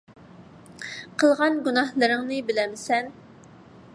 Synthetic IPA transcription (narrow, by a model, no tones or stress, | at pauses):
qʰəlˠʁɑnɡunɑhlˠɨɾɪŋnɨbɪlɛmsɛn